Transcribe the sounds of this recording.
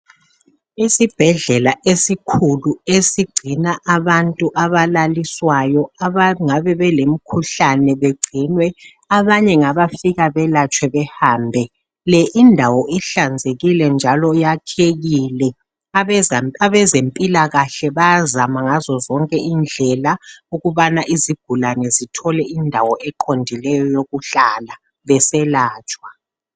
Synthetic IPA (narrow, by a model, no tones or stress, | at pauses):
isib̥ʱɛɮɛlaʔesikʰuluesiɡ͡ǀʱinaʔaβantʼuʔaβalaliswajɔaŋaβɛβɛlem̩kʰuɬanɛβeɡ͡ǀʱinwɛ | aβaɲɛŋaβafiɣaβɛlat͡ʃʼwɛβɛhaːmbʱɛ | lɛʔindʱawɔiɬand͡zʱeɣilɛnd͡ʒʱalɔjatʰeɣilɛ | aɛaβɛzempʼilaɣaɬɛβazamaŋazɔzɔŋkʼɛʔind͡ɮʱɛlauɣuβanaʔiziɡ̥ʱulanɛzitʰɔlɛindʱawɔʔɛǃʰondʱilɛjɔjoɣuɬala | βɛsɛlaːt͡ʃʼwa